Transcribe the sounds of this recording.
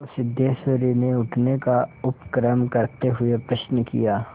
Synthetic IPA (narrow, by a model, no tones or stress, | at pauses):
ʊsɪd̪jesoɾineʊʈʰnekaʊpkɾəmkɐɾt̪eɦʊepɾɐʃnəkḭjaː